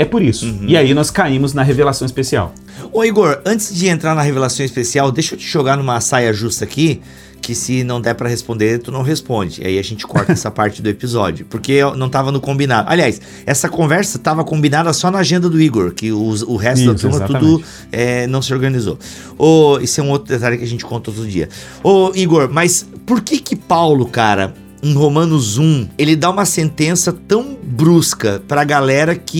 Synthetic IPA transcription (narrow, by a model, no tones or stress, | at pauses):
ɛpoɾisʊ̃iainɔskaĩmʊznɐɦevelasɐ̃w̃ispesia̰w | ʊiɡoɾɐ̃t͡ʃ̪ɪzd͡ʒɪẽnt̪ɾaɾnɐɦevelasɐ̃w̃ispesiawd̪ejʃot͡ʃɪ̥ʒoɡaɾnũmɐsajɐʒust̪ɐːki | kɪsɪnɐ̃w̃d̪ɛpɾɐhespõnd̪eɾt̪unɐ̃w̃ɦespõd͡ʒɪḭa̰iɐʒẽnt͡ʃɪ̥kɔɾt̪ɐɛsɐpaɾt͡ʃɪd̪ʊepizɔd͡ʒjʊpoɾkenɐ̃w̃t̪avɐnʊkõmbinad̪ʊa̰liajs | ɛsɐkõvɛɾsɐt̪avɐkõmbinad̪ɐsɔnɐaʒẽnd̪ɐd̪ʊiɡoɾkɪʊʊɦɛst̪ʊd̪at̪ɾũmɐt̪ud̪ʊ | ɛnɐ̃w̃sɪoɾɡɐnizo̰ | oesʊɛũowt̪ɾʊd̪et̪aljʊkɪɐʒẽnt͡ʃɪ̥kõnt̪ɐtoʊd̪ʊd͡ʒḭɐ | oiɡoɾmɐspoɾkekɪpawlʊkaɾɐ̰ | ẽɦomɐ̃nʊzũelɪd̪aũmɐsẽnt̪ẽsɐt̪ɐ̃w̃bɾuskɐpɾɐaɡalɛɾɐkɪ